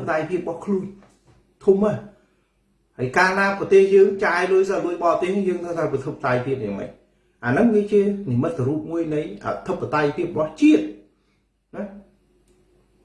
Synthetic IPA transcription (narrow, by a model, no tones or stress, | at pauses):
at̪ajpʰiəp̚ɓɑhkʰluən | t̪ʰuma | haəjkaːnaːprɑt̪eːhjəːŋt͡ɕaɛluəjsaluəjɓɑːt̪eːhnɨjəːŋt̪ʰəwt̪ʰaːpit̪ʰəpːat̪ajpʰiəp̚jaːŋmə̰c̚ | ʔaːnɨŋkiːt͡ɕiənimɨt̪̚səɾuːp̚muəjnɨjʔa̰t̪ʰɨpːat̪ajpʰiəp̚ɓɑht͡ɕiət̪̚ | na